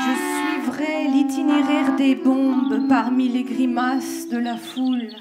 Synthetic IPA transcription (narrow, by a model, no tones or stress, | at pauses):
ʒəsɥivʁɛlit̪ineʁɛʁd̪ebɔ̃bpaʁmileɡʁimas | d̪əlaful